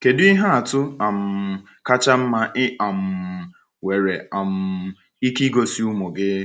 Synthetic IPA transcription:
ke˨dɪ˦i˦ɦa˦a˨tʊ˦a˨m̩˨ | ka˦t͡ʃa˦m̩˦ma˦ʔɪ˦a˨m̩˨ | we˨ɾe˨a˨m̩˨ | i˦ki˦ɡo˨si˦u˦mo˨ɡɪ˦

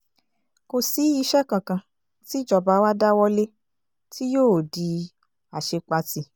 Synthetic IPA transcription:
ko˧si˨˦i˧ʃɛ˦kã˨kã˧ | ti˦d͡ʒɔ˨ba˧˦wa˦da˦wɔ˧le˦ | ti˦joː˦˨di˧ | a˨ʃe˧k͡pa˧ti˧

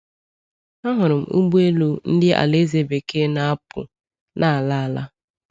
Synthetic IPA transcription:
a˦ɦʊ˨ɾʊ˨m̩˨u˦ɡ͡bu˦e˦lu˦n̩˦dɪ˦ʔa̰˨le˦ze˨be˨ke˦na˦a˦pʊ̰˨ | nʔa˨a˨la˦a˨la˦

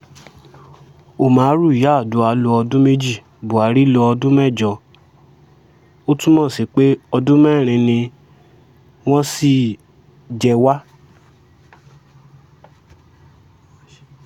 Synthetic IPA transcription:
o˨mãː˨˦ɾu˦˨ja˨˦˨du˨˦a˧lo˧ɔ˧dũ˦me˦d͡ʒi˦˨ | bo˨a˨˦ɾi˦lɔ˧ɔ˧dũ˦mɛ̃˦˨d͡ʒɔ˧ | o˦tũ˦mɔ̃˦˨si˨k͡pe˦ɔ˧dũ˦mɛ˦˨ɾ̃ĩ˧nĩ˧ | w̃ɔ̃˦si˦˨ | d͡ʒɛ˧wa˦

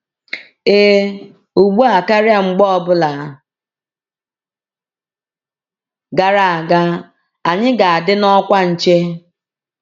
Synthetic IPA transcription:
e˦ | u˨ɡ͡bu˦a˨ka˦ɾja˨ŋ͡m̩˦ɡ͡bɔ˦ɔ˨bʊ˦la˨ | ɡa˨ɾa˨a˨ɡa˦ | a˨ɲɪ˦ɡa˨a˨dɪ˦nɔ˦kʷa˦n̩˨t͡ʃe˦

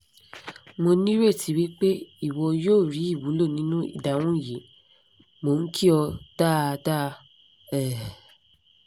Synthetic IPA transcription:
mo˧nĩ˦ɾe˦˨ti˨˦wi˦k͡pe˦i˦˨wɔ˧joː˦˨ɾi˨˦i˦˨wu˨˦lo˦˨nĩ˦nũ˦ḭ˦˨da˨wũ˦˨ji˨˦ | mo˨n̩˦kʰi˦ɔ˧d̥a˦˧da˦˧ | ɛ˦˨

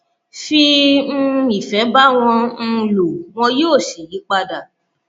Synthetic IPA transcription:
fĩ˧˦ | i˨fɛ˨˦ba˦w̃ɔ̃˧n̩˧lu˨w̃ɔ̃˧joː˦˨ʃi˨ji˨˦k͡pa˧da˨

